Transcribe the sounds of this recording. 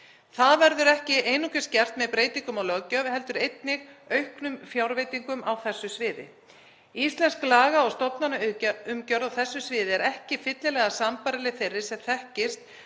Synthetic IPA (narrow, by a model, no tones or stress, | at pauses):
θaðvɛɾðʏɾɛhcɪʔeːjnukʏ̥scɛr̥t̪mɛðpɾeːjt̪iŋkʏmalœɣcœvhɛlt̪ʏɾejt̪nɪɣœɥhknʏmfjawɾvejt̪iŋkʏmawθɛsːʏsvɪːðɪ̰ | ist̪lɛnsklaːɣaɔwst̪ɔpnanaʏʏmcœɾðawθɛsːʏsvɪːðɪɛɾɛhcɪfɪt̪lɪlɛɣasampaɾɪlɪθejrːɪ̥sɛmθɛhcɪst̪̚